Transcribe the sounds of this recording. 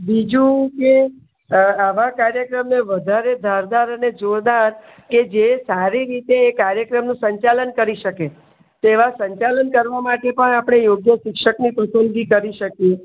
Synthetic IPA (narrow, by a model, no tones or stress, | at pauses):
bid͡ʒũke | aʋakaɾjəkɾəmneʋəd̪ʱaɾed̪ʱaɾd̪aɾəned͡ʒoɾd̪aɾ | ked͡ʒesaɾiɾit̪eːkaɾjəkɾəmnũsəɲt͡ʃalənkəɾiʃəke | t̪eʋasə̃ɲt͡ʃalənkəɾʋamaʈepəɳapɽ̃ejoɡjəʃɪkʃəknipəsənɡikəɾiʃəkje